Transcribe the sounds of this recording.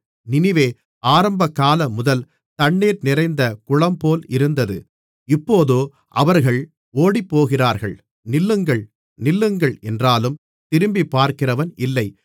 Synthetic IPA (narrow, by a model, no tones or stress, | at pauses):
nɪnɪʋeː | aːɾɐmbɐkːaːlɐmʊðɐl | t̪ɐɳːeːɾnɪrɐɪnd̪ɐkʊɻɐmpoːlɪɾɯnd̪ɐðɯ̰ | ɪpːoːðoː | ʔɐʋɐɾɣɐɭ | oːɽipːoːɣɪraːɾɣɐɭ | nɪlːɯŋɡɐɭ | nɪlːɯŋɡɐɭɛndraːlɯm | t̪ɪɾɯmbipːaːɾkɪrɐʋɐnʔɪlːɐɪ